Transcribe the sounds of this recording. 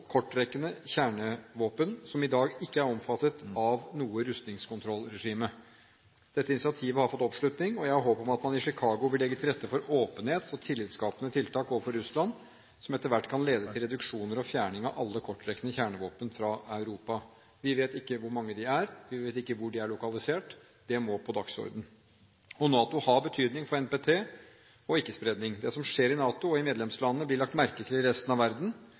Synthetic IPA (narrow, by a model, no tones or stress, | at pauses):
kʰɔʈːɾɛkːənəçæːɳəʋoːpənsɔmɪd̪ɑːɡɪkːəæɾɔmfɑt̪ːət̪ɑʋnuːəɾʉst̪nɪŋskʰʊnt̪ʰɾɔlːɾɛʂiːmə | d̪̥ɛt̪ːəɪnɪsɪɑt̪ʰiːʋəhɑɾfɔt̪ːɔpʂlʉt̪nɪŋɔjæɪhɑɾɦoːpɔmɑt̪mɑnɪʂɪkʰɑːɡʊʋɪlɛɡːət̪ʰɪlɾɛt̪ːəfɔɾoːpənheːt̪sɔt̪ʰɪlːɪːd̪skɑːpənət̪ʰɪlt̪ʰɑːkoːʋəfɔɾʉslɑn | sɔmɛt̪ːəɾʋæʈːkʰɑnleːd̪ət̪ʰɪlɾɛd̪ʉkʂuːnəɾɔfjæːɳɪŋɑʔɑlːəkʰɔʈːɾɛkːənəçæːɳəʋoːpənfɾɑɑʉɾuːpɑ | ʋɪʋeːt̪ɪkːəʋʊɾmɑŋːəd̪ɪæɾʋɪʋeːt̪ɪkːəʋʊɖɪæɭʊkɑlɪseːʈ | d̪̥ɛmɔpʰɔd̪ɑksɔ̰ɾd̪n̩ | ɔnɑːt̪ʊhɑbət̪ʰyːd̪nɪŋfɔɾɛnpet̪ʰeː | ɔɪkːəspɾɛd̪nɪŋd̪ɛsɔmʂeːɾɪnɑːt̪ʊɔɪmeːd̪lɛmslɑnənəblɪɭɑk̚t̪mæɾkət̪ʰɪlɪɾɛst̪n̩ɑʋæɾd̪n̩